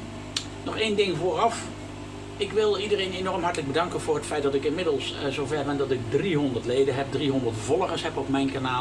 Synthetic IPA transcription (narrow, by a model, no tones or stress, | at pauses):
nɔχejndɪŋvʊːrɑf | ɪkʋɪlˠidərejnenɔɹəmɦɑɹtələɡ̚bədɑŋkənvʊːɹɦətfɛjt̚dɑtɪkɪnmɪdəlˠszowvɛɹbɛndɑtɪɡ̚driɦɔndəɹtlejdənɦɛp̚driɦɔndəɹtvɔlˠəχəsɦɛpɔpmɛjnkanaː